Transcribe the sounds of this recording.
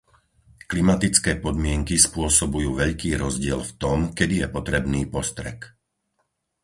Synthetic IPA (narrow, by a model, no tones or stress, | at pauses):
klimat̪it͡skɛːpɔd̪mɪɛŋkispʊɔsɔbujuːʋɛʎkiːɾɔzɟɪɛlft̪ɔmkɛd̪ijɛpɔt̪ɾɛbniːpɔst̪ɾɛ̰k